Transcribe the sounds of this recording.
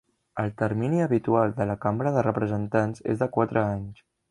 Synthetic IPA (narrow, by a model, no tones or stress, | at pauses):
əlˠt̪əɾminiəβit̪ualˠd̪ələkambɾəðərəpɾəzənt̪anzḛzðəkwat̪ɾʔəaɲs